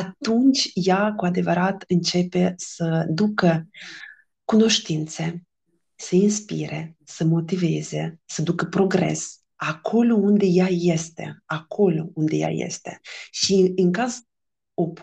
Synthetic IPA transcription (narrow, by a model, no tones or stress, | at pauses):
at̪unt͡ʃʲjakuad̪e̞vəɾat̪ɨnt͡ʃe̞pe̞səd̪ukə | kuno̞ʃt̪int̪se | səinspiɾesəmo̞t̪iveze̞səd̪ukəpɾo̞ɡɾḛs | akʰo̞lound̪e̞jajest̪e̞̰akʰo̞lound̪eja̰jḛst̪e̞ʃiɨŋkaz | op